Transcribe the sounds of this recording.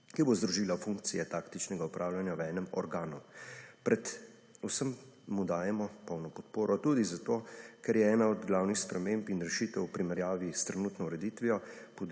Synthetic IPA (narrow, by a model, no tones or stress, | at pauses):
kibozd̪ɾuʒiːlafuŋk̚t̪sijɛt̪aːkt̪it͡ʃnɛɡaupɾʔaːwljanjawɛːnɛmɔ̰ɾɡaːnupɾɛt̪ | usəmː | ud̪aːjɛmɔpɔwnɔpɔt̪poːɾɔt̪uːd̪izat̪okɛɾjɛɛːnaɔd̪ɡlaːwnixspɾɛmempinɾɛʃiːt̪ɛwwupɾimɛɾjaːʋist̪ɾɛnuːt̪nɔwɾɛd̪iːt̪ʋijɔ | pɔd̪